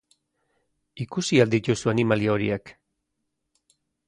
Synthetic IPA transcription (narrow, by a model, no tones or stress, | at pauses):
ikusiald̪it̪usuanimaliooɾḭak